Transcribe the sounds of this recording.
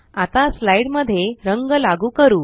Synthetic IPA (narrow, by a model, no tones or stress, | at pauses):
at̪ãslaiɽməd̪ʱːjeɾəŋɡəlaɡuːkəɾuː